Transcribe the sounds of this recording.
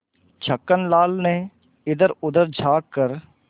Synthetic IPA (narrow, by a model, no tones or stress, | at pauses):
t͡ʃʰəkːənlaːlneː | ɪd̪əɾʊd̪əɾd͡ʒʱaːkːəɾ